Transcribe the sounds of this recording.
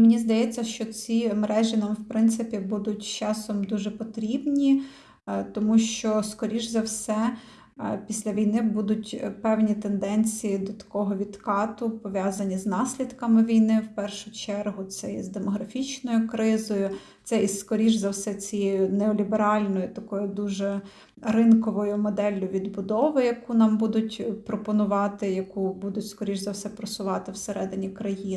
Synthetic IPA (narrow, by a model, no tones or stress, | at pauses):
mɪnʲizd̪ɐjɛt͡sʲːɐʃt͡ʃɔt͡sʲimeɾɛʒɪnɐmwpɾɪnt̪sɪpʲibud̪ʊtʲt͡ʃɑsɔmd̪uʒɛpɔt̪ɾʲibnʲi | t̪ɔmuʃt͡ʃɔskɔɾʲiʒzɐwsɛ | pʲisʲlʲɐʋʲijnɪbud̪ʊtʲpɛwnʲit̪end̪ɛnʲt͡sʲijid̪ɔt̪ɐ̥kɔɦɔʋʲid̪kɑt̪ʊpɔʋʲjɑzɐnʲiznɑsʲlʲid̪kɐmɪʋʲijnɪwpɛrʃʊt͡ʃɛrɦʊt̪sɛizd̪emɔɦɾɐfʲit͡ʃnɔjʊkɾɪzɔjʊ | t̪sɛiskɔɾʲiʒzɐwsɛt͡sʲijɛjʊnɛɔlʲibeɾɑlʲnɔjʊt̪ɐkɔjʊd̪uʒɛ | rɪnkɔʋɔjʊmɔd̪ɛlʲːʊʋʲid̪bʊd̪ɔʋɪjɐkunɑmbud̪ʊtʲpɾɔpɔnʊʋɑt̪ɪjɐkubud̪ʊtʲskɔɾʲiʒzɐwsɛpɾɔsʊʋɑt̪ɪwseɾɛd̪ɪnʲikɾɐji